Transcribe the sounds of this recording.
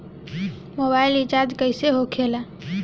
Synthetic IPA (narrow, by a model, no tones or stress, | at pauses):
mobaɪlit͡ʃaɾd͡ʒkəɪseɦokʰela